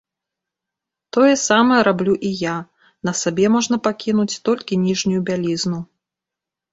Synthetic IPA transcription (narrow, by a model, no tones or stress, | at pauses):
t̪ɔjɛsamɐjɛɾablʲuʔija | nɐsabʲɛmɔʐnɐpakʲinut͡sʲt̪ɔlʲkʲinʲiʐnʲujubʲalʲiznu